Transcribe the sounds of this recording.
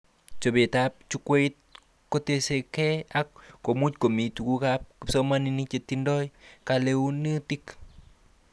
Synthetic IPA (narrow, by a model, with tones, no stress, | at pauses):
t͡ʃo˨be˨ta˦p̚t͡ʃu˦kwe˦t̚ | ko˦te˧se˧kɛ˦a˦kːo˨mu˦t͡ʃko˨mi˨tu˨ku˦ka˦p̚ki˨pso˦ma˦ni˧ni˦t͡ʃe˨ti˦ndɔ˦jka˨le˦u˦ni˦ti˦k